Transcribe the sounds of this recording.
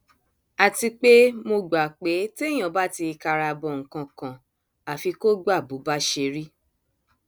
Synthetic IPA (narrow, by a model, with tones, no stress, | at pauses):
a˨ti˧k͡pe˦mo˧ɡ͡ba˨k͡pe˨˦te˦j̃ã˨ba˦ti˧ka˧ɾa˧bɔ˧˨ŋ̩˨kã˧kã˨ | a˨fi˧ko˦ɡ͡ba˦˨bu˨˦ba˦ʃe˧ɾi˦